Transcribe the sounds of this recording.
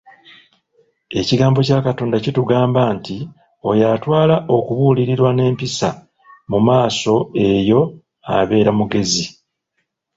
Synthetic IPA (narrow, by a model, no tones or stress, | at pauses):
e̞ciɡaːmbo̞caːkato̞ːndacituɡaːmbanti | o̞jatwaːlaʔo̞kuβuːliɾiɾwane̞ːmpisa | mumaːso̞e̞jo̞ | a̰βe̞ːɾamuɡe̞zi